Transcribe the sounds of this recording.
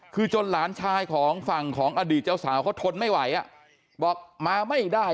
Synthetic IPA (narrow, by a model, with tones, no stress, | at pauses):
kʰɯː˧t͡ɕo˧nlaː˩˦nt͡ɕʰaː˧jkʰɔː˩˦ŋfa˨˩ŋkʰɔː˩˦ŋʔaː˧diː˨˩t̪̚t͡ɕaː˥˩wsaː˩˦wkʰaː˦˥˩t̪ʰo˧nma˥˩jwa˨˩˦jʔa̰˧˩ | bɔː˨˩k̚maː˧ma˥˩jdaː˥˩